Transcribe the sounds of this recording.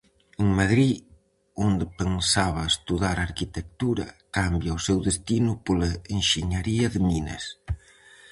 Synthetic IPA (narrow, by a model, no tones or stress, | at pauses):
uŋmaðɾi | ond̪ɪpensaβ̞ɐest̪uðaɾaɾkit̪ek̚t̪uɾɐ̰kambjaʊsewðest̪inʊpolaeŋʃeɲaɾiɐðɪminɐ̰s